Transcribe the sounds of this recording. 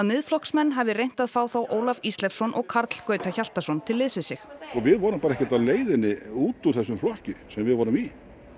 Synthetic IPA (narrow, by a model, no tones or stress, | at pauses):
aðmɪðflɔhksmɛnːɦavɪrejn̥t̪aðfaːwθawʔoːwlafist̪lɛfsɔnʔɔɣkʰaɾt̪l̥kœːɥt̪ʰaçal̥t̪asɔnt̪ʰɪlːɪðsvɪsɪxɔɣvɪðvɔɾʏmpaɾɛhcɛt̪aðleːjðɪnːɪuːt̪uɾ̥θɛsːʏmflɔhcʏsɛmvɪðvɔɾʏmi